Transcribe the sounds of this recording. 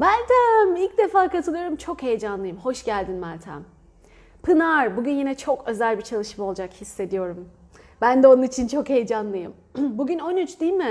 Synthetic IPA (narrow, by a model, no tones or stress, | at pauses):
mælʲt̪ʰæmilʲc̚d̪e̞faːkat̪ʰɯlˠɯjo̞ɾumt͡ʃʰo̞khe̞jd͡ʒanlˠɯjɯmho̞ʃɟælʲd̪inmælʲt̪ʰæ̰m | pʰɯnaɾbuɟynjinɛt͡ʃʰo̞kø̞zælʲbit͡ʃʰalˠɯʃɯmo̞lˠd͡ʒakhisːe̞d̪ijo̞ɾum | bænd̪ɛonunit͡ʃʰint͡ʃʰo̞khe̞jd͡ʒanlˠɯjɯm | buɟʲyno̞nyt͡ʃd̪ijilʲmɪ